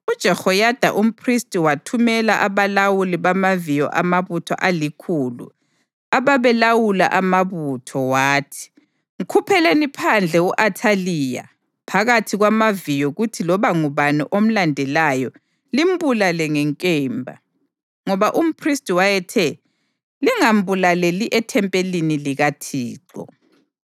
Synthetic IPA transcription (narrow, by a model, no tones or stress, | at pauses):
ud̥ʒ̥ʱɛxɔjad̥ʱa̰ʔum̩pʰristʼiwatʰumɛlaʔaβalawuliβamavijɔ̰ʔamaβutʰɔ̰ʔalikʰuːlṵ | aβaβɛlawula̰ʔamaβutʰɔwaːtʰi̥ | ŋ̩kʰupʰɛlenipʰand͡ɮʱɛuʔatʰaliːja̰ | pʰaɣatʰiɣwamavijɔɣutʰilɔβaŋuβanɔ̰ʔom̩landʱɛlajɔ | lim̩bulalɛŋɛŋkʼɛːmbʱa̰ | ŋɔβaʔum̩pʰristʼwajɛtʰɛ | liŋam̩bulaleliʔɛtʰɛmpʼeliniliɣatʰiːǁɔ̰